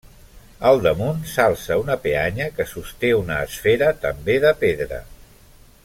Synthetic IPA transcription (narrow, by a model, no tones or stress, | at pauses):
əlˠd̪əmunsalˠsəunəpeaɲəkəsust̪eunəːsfeɾət̪əmbeðəpeðɾə̰